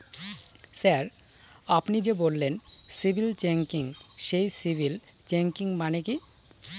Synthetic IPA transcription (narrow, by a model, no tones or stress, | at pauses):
saɾ | apnid͡ʑebolːensibʱilt͡ɕeŋkiŋʃejsibʱil | t͡ɕeŋkiŋmaneki